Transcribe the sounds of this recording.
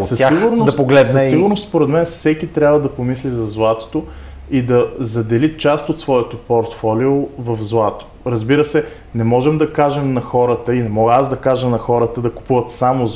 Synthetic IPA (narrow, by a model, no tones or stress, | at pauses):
sɐaiɡʊɾnod̪ɐpoɡlɛd̪nɛsiɡʊɾnost̪spoɾɛd̪mɛnfsɛkit̪ɾʲabvəd̪ɐpomislizɐzlˠat̪o̥t̪o | id̪ɐzɐd̪ɛlit͡ʃast̪ot̪svɔɛt̪opoɾt̪fɔliovɐfzlˠat̪o̥ | ɾɐzbiɾəsɛ | nɛmɔʒɛmd̪ɐkaʒɛmnɐxɔɾət̪əinɛmɔɡasd̪ɐkaʒəmnɐxɔɾət̪əd̪ɐkʊ̥puvɐt̪samo